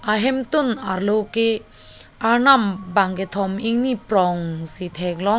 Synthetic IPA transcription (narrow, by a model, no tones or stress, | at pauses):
aɦemt̪unaɾlowke | aɾnambaŋɡet̪ʰɔmiŋnipɾɔŋsit̪ʰɛklɔ